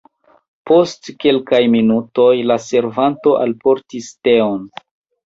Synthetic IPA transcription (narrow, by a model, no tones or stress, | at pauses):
po̞stke̞lkajminuto̞jlase̞ɾvanto̞ʔa̰lpo̞ɾtiste̞on